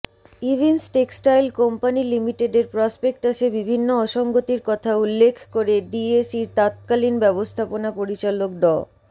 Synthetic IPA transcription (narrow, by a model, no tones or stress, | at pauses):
ibʱinsʈeksʈajlkɔmpanilimiʈeɖeɾpɾɔspek̚ʈaʃebibʱinːoɔʃɔŋɡot̪iɾkɔt̪ʰaulːekʰkoɾeɖiesiɾt̪at̪̚kalinbɛbost̪ʰaponapoɾit͡ɕalok̚ɖɔ